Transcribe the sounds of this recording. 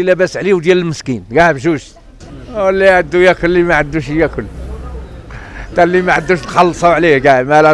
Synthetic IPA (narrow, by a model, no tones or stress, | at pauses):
læbæsʕliwd̪jæləlməskinɡæʕəbʃ̬uʃ | wəlːiʕəd̪ːujækʊlːimaʕəd̪ːuʃjækʊl | t̪ælimaʕəd̪ːuʃt̪xɑlːsˤɑwʕliɡæmælæ